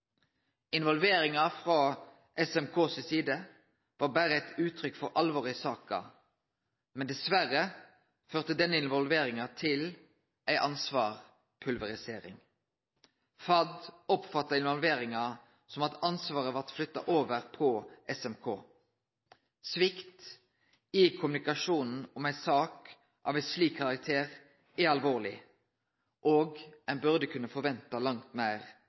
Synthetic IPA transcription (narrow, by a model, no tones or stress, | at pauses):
ɪnʋɔlʋeːɾɪŋɑfʁɑ | ʔɛsɛmkʰoːssiːd̪ə | ʋɑːbæːʁəæt̪ʉːt̪ʰɾʏkfɔʁʔɑlʋoːʁɪsɑːkɑ̰ | mɛnd̪ɛsʋæʁə | føːʁt̪əd̪ɛnːəɪnʋɔlʋeːʁɪŋɑt̪ʰɪl | ʔæɪʔɑnsʋɑːʁ | pʰʉlʋɛʁɪseːɾɪ̰ŋ | fɑd̪ɔpfɑt̪ːɑɪnʋɑlʋeːʁɪŋɑ | sɔmɑt̪ɑnsʋɑːʁəʋɑʁt̪flʏt̪ːɑ̰ʔoːʋəʁpʰɔʔɛsɛmkʰoː | sʋɪkt̪ | ɪkʰʊmʉnɪkɑʃuːnn̩ɔmæɪsɑːk | ʔɑ̰ːʋæɪsliːkʰːɑʁɑk̚t̪ʰeːʁ | æɑlʋoːʁlɪ | ʔoːɡɛnbʉʁd̪əkʰʉnːəfɔʋɛnt̪ɑlɑŋt̪mæɪʁ